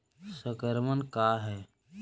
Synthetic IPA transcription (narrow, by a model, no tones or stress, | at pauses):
səkəɾmənkaːɦɛː